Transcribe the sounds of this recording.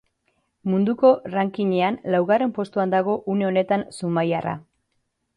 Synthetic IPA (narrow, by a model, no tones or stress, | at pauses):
mund̪uko̞raŋkiɲe̞anlawɣare̞mpo̞st̪uand̪aɣ̞o̞ʔune̞o̞ne̞t̪ansumajara̰